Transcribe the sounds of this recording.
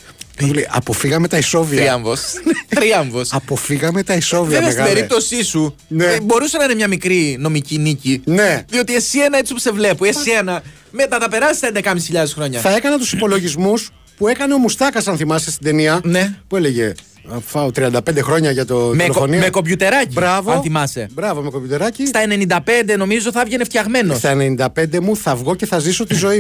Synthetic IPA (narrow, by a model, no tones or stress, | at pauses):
uleʔɐ̰po̞fiɣɐme̞t̪ɐiso̞viiɐɱvosnt̪ɾiɐɱvosɐpofiɣɐme̞t̪ɐiso̞viðessɣiɐbeɾipt̪o̞sisu | nebo̞ɾusenɐinemɲɐmikɾino̞micinicineðio̞t̪iesie̞nɐe̞t͡sipusevle̞puesienɐ | met̪ɐt̪ɐpe̞ɾɐsi̥st̪end̪ekɐmisi̥çiʎɐðesxɾo̞ɲɐθɐe̞kɐnɐt̪usipo̞lo̞ʝizmus | pue̞kɐneo̞must̪ɐkɐsɐnθimɐsest̪ind̪e̞niɐne̞pue̞leʝe | fɐot̪ɾiɐnd̪ɐpe̞nd̪exɾo̞ɲɐʝɐt̪omelokonimeko̞pʝut̪e̞ɾɐcibɾɐvoɐnθimɐse̞̰bɾɐvo̞mekoput̪e̞ɾɐcist̪ɐe̞nenind̪ɐpe̞nd̪e̞no̞mizozoθɐvʝene̞ft̪çɐɣme̞nost̪ɐenenind̪ɐpe̞nd̪e̞muθɐvɣo̞ce̞θɐziso̞t̪izo̞i